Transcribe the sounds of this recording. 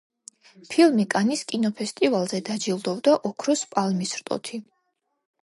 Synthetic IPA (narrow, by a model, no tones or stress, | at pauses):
pʰilˠmikʼaniskʼinɔpʰɛst̪ʼivalˠzɛd̪ad͡ʒilˠd̪ɔvd̪aʔɔkʰɾɔspʼalmisɾt̪ʼɔ̰t̪ʰi